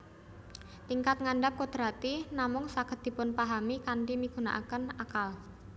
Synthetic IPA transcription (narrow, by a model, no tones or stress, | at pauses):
t̪iŋkat̪̚ŋaɳɖap̚kod̪̥ɾat̪inamʊŋsakəd̪̥i̤pʊnpaɦamikaɳɖimiɡ̥ṳna̰ʔakənakal